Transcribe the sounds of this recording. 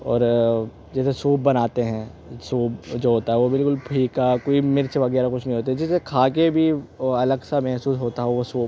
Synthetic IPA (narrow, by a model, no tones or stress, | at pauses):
ɔ̰ːɾ | d͡ʒɛːsesoːb̚ːɐnaːt̪eɦɛ̃ːsoːbd͡ʒoːɦoːt̪aɦɛʋobɪlkʊlpʰiːkakoːimɪɾt͡ʃʋɐɡɛːɾakʊt͡ʃʰnə̃ɦĩɦoːt̪eɦɛ̃d͡ʒɛːsekʰaːk̬ebʱiɐləɡsamɛɦsuːsɦoːt̪aɦɛʋosoːb